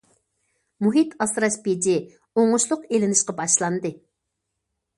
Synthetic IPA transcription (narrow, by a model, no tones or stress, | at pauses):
muɦit̪ʰɑsɾɑʃped͡ʒi | oɴʊʃlˠʊqelɪnɪʃqɑbɑʃlˠɑnd̪ɨ